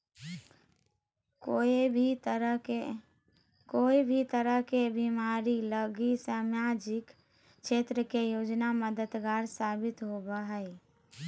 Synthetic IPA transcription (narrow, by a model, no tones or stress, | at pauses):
ko | koːibʱit̪əɾəɦkebimaːɾiləɡisəmjad͡ʒɪk | ʃʰeːt̪ɾəkejoːd͡ʒnaməd̪əd̪ɡaːɾsaːbɪt̪ɦobəɦəi